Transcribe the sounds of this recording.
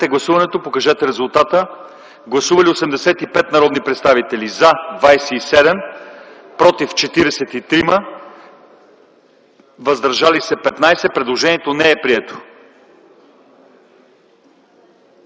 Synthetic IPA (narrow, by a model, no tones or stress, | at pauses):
t̪ɛɡlˠɐsuvɐnɛt̪opokɐʒɛt̪ɛɾɛzulˠt̪at̪ə | ɡlˠɐsuvɐliosɛmd̪ɛsɛt̪ipɛt̪nɐɾɔd̪nipɾɛt̪st̪avit̪ɛlizɐd̪vajsɛisɛd̪ɛm | pɾɔt̪ift͡ʃɛt̪iɾɛsɛt̪it̪ɾimə | vɐzd̪ɐɾʒalisɛpɛt̪najsɛpɾɛd̪lˠoʒɛniɛt̪onɛɛpɾiɛt̪o̥